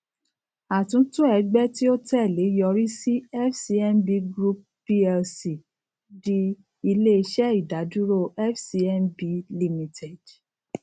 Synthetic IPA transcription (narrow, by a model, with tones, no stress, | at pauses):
a˨tũ˨˦tũ˦ɛ˧˦ɡ͡bɛ˦ti˦o˦tɛ˦˨le˨˦jɔ˧ɾi˦si˦ɛ˦fsi˧˦ɛ˧nbi˧˦ɡɾu˦p̚ | pi˦ɛ˧si˨ | di˧ | i˧le˦˧ʃɛ˦i˦˨da˨˦du˦ɾo˦˨ʔɛ˦fsi˧ɛ˧nbi˨˦li˧mĩ˨tʰe˨d̥